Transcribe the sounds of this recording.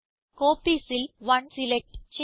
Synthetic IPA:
koːpiːsɪlʋɐnsɪlɛk̚ʈt͡ʃ

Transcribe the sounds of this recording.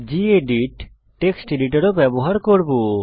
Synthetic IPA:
d͡ʑieɖiʈː | eksʈeɖiʈaɾobɛboɦaɾkoɾbo

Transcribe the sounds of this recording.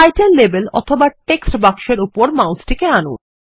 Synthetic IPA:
ajʈenlebelɔ̰t̪ʰobaʈeksʈbakʃeɾupoɾmawsʈʰekeanṵ

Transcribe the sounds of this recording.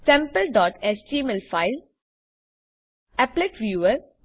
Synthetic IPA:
sɛ̃mpəlɖɔːʈesʈiːmɪlfaɪl | ɛplɪʈʋjuːəɾ

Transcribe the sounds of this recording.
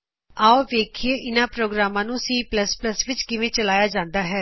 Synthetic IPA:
aːoːʋeːkʰeːʔɪnãːpɾoːɡɾaːmãːnũːsiːpləspləsʋɪt͡ʃkɪʋẽːt͡ʃəlaːjaːd͡ʒãːnd̪aːɦɛː

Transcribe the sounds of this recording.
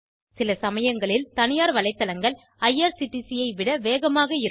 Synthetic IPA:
sɪlɐsɐmɐjɐŋɡɐɭɪlt̪ɐnɪjaːɾʋɐɭɐɪt̪ːɐlɐŋɡɐɭ | ɐjaːɾsɪʈːisɪjɐɪʋɪɽɐʋeːɣɐmaːɣɐɪ

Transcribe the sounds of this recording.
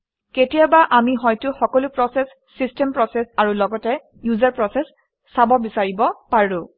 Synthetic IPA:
ketijabaʔamiɦɔjtʊxɔkɔlʊpɹɔsɛsːistɛmpɹɔsɛsaɹulɔɡɔtɛ | juzaɹpɹɔsɛsː | abɔbisaɹibɔpaɹʊ̃

